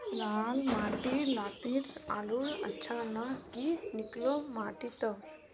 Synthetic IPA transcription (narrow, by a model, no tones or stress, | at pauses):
laːlmaːʈilaːt̪ita̰ːluɐ̰tːt͡ʃʰanɐkiniklomaːʈit̪ə